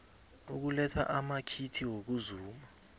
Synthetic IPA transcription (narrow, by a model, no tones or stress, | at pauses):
uk̬ulɛtʰa̰ʔamakʰitʰiwok̬uzuːma